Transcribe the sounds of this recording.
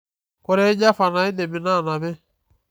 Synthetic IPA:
kɔ˦ɾɛ˦i˦d͡ʒa˦fa˨na˨i˦de˨mi˨na˦˨na˨bɛ˦

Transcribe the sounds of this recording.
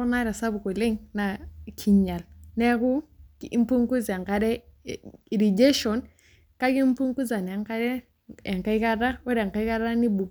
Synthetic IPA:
u˦na˦ɾa˨sa˦bu˨ko˨le˦ŋna˨kʰi˨ɲa˨lnɛ˦ku˦i˦m˦pu˦ŋku˦za˨ŋka˦ɾɛ˦ | i˨ɾi˨d͡ʒe˦ʃɔ˨n | ka˦ki˦m˦pu˦ŋku˦za˨nɛ˨˦ŋka˦ɾɛ˦ | ɛ˨ŋka˦i˦ka˦da˦wɛ˦ɾɛ˨ŋka˦ka˦ɾa˦ni˦bu˨

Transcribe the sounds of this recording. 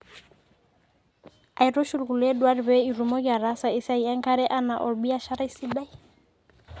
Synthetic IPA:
a˨jɾo˦ʃulku˨lɛ˦dwa˦ɾbɛ˦iɾu˨mo˦ɡa˨ɾa˦sa˨i˦sa˨jɛ˦ŋkaɾɛ˦ʔana˨ʔɔ˨lbi˦a˦ʃa˦ɾa˦isi˦ba˦j

